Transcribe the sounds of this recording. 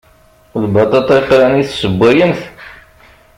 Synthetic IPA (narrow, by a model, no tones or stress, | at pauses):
ðbɑt̪ˤɑt̪ˤɑfɾæniθsəbʷːæjəmθ